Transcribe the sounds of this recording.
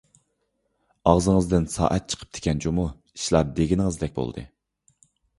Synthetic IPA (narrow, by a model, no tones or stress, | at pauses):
ɑʁzəŋəzd̪ɪnsɑ̰ːʔɛt̪̚t͡ʃʰə̥qʰə̥p̚d̪̥ʰe̥kʲʰɛnd͡ʒomu | i̥ʃlˠɑɾd̪eɡʲinɪŋɨzd̪ɛk̚ʲbo̰l̰ˠd̪ɨ̰